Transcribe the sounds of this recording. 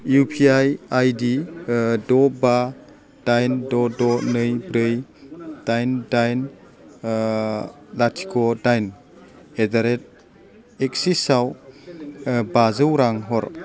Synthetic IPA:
jupʰiajajdidɔba | d̥ajndɔdɔnɯjbɾɯjd̥ajndajn | latʰi̥kʰɔdajn | edaɾet̚ | ek̚sisaw | bazɯwɾaŋɦɔɾ

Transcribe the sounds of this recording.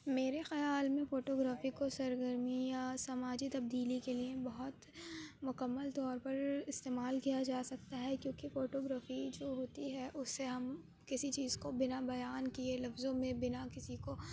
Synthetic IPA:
meːɾexɐjaːlmẽfoːʈoːɡɾaːfikosɐɾɡəɾmijasɐmaːd͡ʒit̪ɐb̚d̪iːlikeliebɐɦʊt̪ | mʊkɐmːəlt̪ɔːɾpɐɾɪst̪eːmaːlkijad͡ʒaːsɐk̚t̪aɦɛkjõːkifoːʈoːɡɾaːfid͡ʒoːɦoːt̪iɦɛʔʊsːeɦɐm | kɪsit͡ʃiːzkobɪnabɐjaːnkielɐfzõmẽbɪnakɪsiko

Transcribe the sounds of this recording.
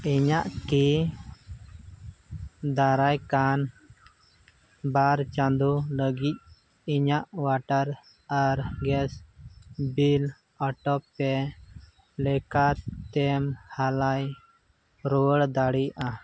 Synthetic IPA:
iɲaʔki | d̪aɾajkan | baɾt͡ʃand̪uləɡit̪̚ | iɲaʔwaʈaɾ | aɾɡɛs | bil | ɔʈɔpːɛ | lɛkat̪ɛmhalaj | ɾɔwəɽd̪aɽiʔa

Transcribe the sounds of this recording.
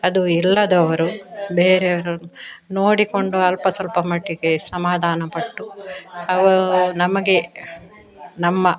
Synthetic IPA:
ɐd̪uilːɐd̪ɐʋɐɾubeːɾeʋɐɾunoːɽiko̞ɳɖuɐlpɐt̪ʰɐlpɐmɐʈːiɡe̞sɐmaːd̪ʱaːnɐpɐʈːuɐʋɐɾunɐmɐɡe̞ | nɐmːɐ

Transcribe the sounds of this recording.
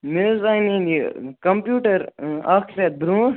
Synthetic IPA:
mezanĩnikɐmpjuːʈɐɾaːkʰɾet̪̚bɾũː

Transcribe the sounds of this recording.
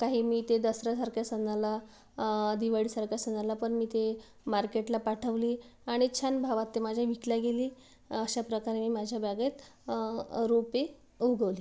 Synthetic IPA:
kaɦiːmiːt̪ed̪əsɾasaɾkjasənala | d̪iʋaɽiːsaɾkjasənalapəɳmiːt̪e | maɾkeʈlapaʈʰəʋliːaɽ̃it͡ɕʰanbʱaʋat̪ːemad͡ʑʱjaʋikljaɡeliː | əɕapɾəkaɾemiːmad͡ʑʱjabaɡet̪ | ɾope | uɡəʋliː

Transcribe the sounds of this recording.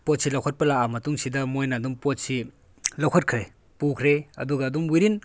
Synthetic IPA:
pot̚silɐwkʰɐt̚pɐlaamɐtuŋsidɐmojnɐdumpot̚si | lɐwkʰɐt̚kʰɾe | pukʰɾeɐ̰duɡɐːdumwiɾin

